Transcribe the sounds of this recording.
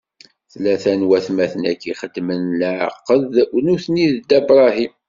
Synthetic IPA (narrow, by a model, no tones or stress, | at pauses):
θlæθænwæθmæθənækːiχəd̪ːmənlʕə̰qːəðnuθniðd̪æbɾˤɑɦim